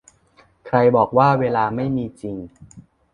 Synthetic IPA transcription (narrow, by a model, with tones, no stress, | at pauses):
kʰɾa˧jbɔː˨˩k̚waː˥˩weː˧laː˧ma˥˩jmiː˧t͡ɕi˧ŋ